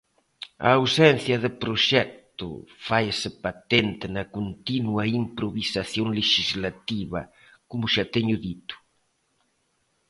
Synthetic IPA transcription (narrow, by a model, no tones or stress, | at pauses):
ɐ̰ːwsɛn̟θjɐðɪpɾoʃɛk̚t̪ʊ̰fajesɪpat̪ent̪ɪnɐkont̪inwɐimpɾoβisaθjoŋleʃizlat̪iβɐ̰ | komʊʃat̪eɲʊðit̪ʊ̥